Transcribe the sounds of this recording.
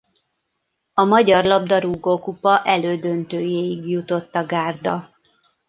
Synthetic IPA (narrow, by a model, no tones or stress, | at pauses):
ɒmɒɟɒrlɒb̚d̪ɒɾuɡoːkupɒʔɛløːd̪ønt̪øːjeːjiɡjut̪o̞t̪ːɒɡaːrd̪ɒ